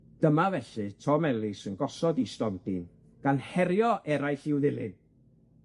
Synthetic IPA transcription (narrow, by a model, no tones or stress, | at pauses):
d̥əmavɛɬɨtʰɔmɛlˠɪsənɡɔsɔdistɔntin | ɡ̥anhɛɾjɔʔɛɾajɬɪwðɪlˠɪ̰n